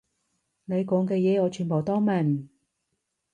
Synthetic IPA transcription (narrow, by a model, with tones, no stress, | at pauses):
ne˨˧jkɔː˨˥ŋkɛː˧jɛː˨˧ɔː˨˧t͡ʃʰyː˨˧npo˨˩wt̪ɔː˥ŋmɐ˨˩n